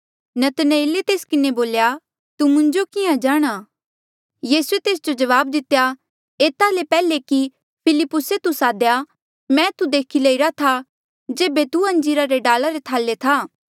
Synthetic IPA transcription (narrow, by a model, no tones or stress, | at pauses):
nɐt̪ɐnəeːlet̪eːskɪneboːlja | t̪umʊ̃ɲd͡ʒokɪjãd͡ʒaːɽ̃a | jiːsuet̪eːs̬d͡ʒod͡ʒɐʋaːb̚d̪ɪt̪ːeja | eːt̪alepɛːleki | pʰɪlɪpːʊset̪usaːd̪ja | mɛ̃ːt̪ud̪eːkʰilɐiɾat̪ʰa | d͡ʒeːbet̪uɐ̃ɲd͡ʒiːɾaɾeɖaːlaɾet̪ʰaːlːet̪ʰaː